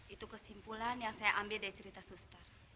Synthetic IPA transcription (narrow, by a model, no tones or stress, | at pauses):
ʔit̪ukəsimpulanjaŋsajaʔambildaɾit͡ʃəɾit̪asust̪ər